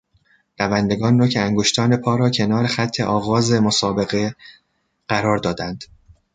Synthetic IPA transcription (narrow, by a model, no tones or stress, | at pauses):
nævænd̪e̞ɡɒːnːocʰeæŋɡoʃt̪ʰɒːne̞pʰɒːɾɒːcʰe̞nɒːɾe̞xæt̪ʰːe̞̰ʔɒːɣɒːze̞mosɒːbe̞ɣe̞ | ɢ̥æɾɒːɾd̪ɒːd̪ænd̪̥